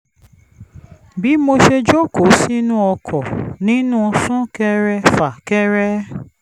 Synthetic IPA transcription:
bi˨˦mo˧ʃe˧d͡ʒo˦ko˨˦si˦nũ˦ɔ˧kʰɔ˨nĩ˦nũ˦˧sũ˦kɛ˦ɾɛ˧fa˨kɛ˦ɾɛ˦

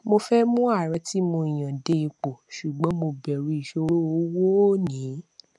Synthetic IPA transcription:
mo˧fɛ˦mũ˦a˦˨ɾɛ˨˧˦ti˦mo˧ĩ˨j̃ã˨de˧i˧k͡po˨ʃu˨ɡ͡bɔ̃˨˦mo˧bɛ˨ɾu˨˦i˨ʃo˦ɾo˦o˧˦wo˦nĩ˨˦

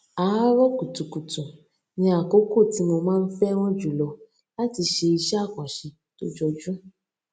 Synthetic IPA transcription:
a˨a˦ɾɔ˦ku˨tũ˨ku˨tũ˨ | nĩ˧a˨ko˦ko˦˨ti˨˦mo˧mãː˦˧n̩˦fɛ˦w̃ɔ̃˦d͡ʒu˨lɔ˨ | la˦ti˧ʃe˧i˧ʃa˦˨kɔ̃˨ʃi˧ | to˦d͡ʒɔ˧d͡ʒũ˦

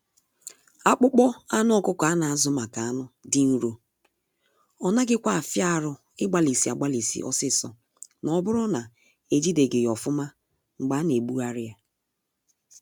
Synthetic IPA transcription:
a˦k͡pʊ˦k͡pɔ˦a˦nʊ˦ɔ˦kʊ˦kɔ˨a˦na˨a˨zʊ˦ma˨ka˨a˦nʊ˦dɪ˦n̩˦ɾo˨ | ɔ˨na˦ɡɪ˦kʷa˦a˨fja˦a˨ɾʊ˦ | ɪ˦ɡ͡ba˨li˨si˨a˨ɡ͡ba˦li˨sḭ˦ʔɔ̰˦sɪ˦sɔ̰˨ | nɔ˨˦bʊ˦ɾʊ˦na˨ | e˦d͡ʒi˦de˨ɡɪ˨jɔ˨fʊ˦ma˦ | ŋ͡m̩˨ɡ͡ba˦ne˨ɡ͡bu˦a˦ɾɪ˦a˦

